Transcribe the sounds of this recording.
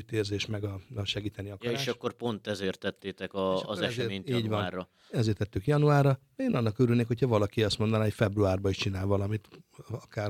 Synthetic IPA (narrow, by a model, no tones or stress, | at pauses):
yt̪eːrzeːʃmɛɡɒɒʃɛɡiːt̪ɛniɒkeʃɒkːorpo̞nt̪ɛzeːrt̪ɛt̪ːeːt̪ɛkɒʃːzɛɛʃreːɲiːnɟvɒnːrɒ | ɛzeːrt̪ɛt̪ːykjɒnuaːrɒ | eːnɒnːɒkøɾylneːkho̞cʰɒvɒlɒkiɒst̪mo̞nd̪ɒnaːɦocfɛbruaːrbɒiʃt͡ʃinaːlvɒlɒmit̪ɒkaːr